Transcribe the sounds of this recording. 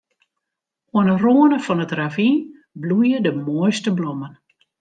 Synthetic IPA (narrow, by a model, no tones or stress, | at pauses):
uənəroənəfɔnətravin | blujədəmojstəblomən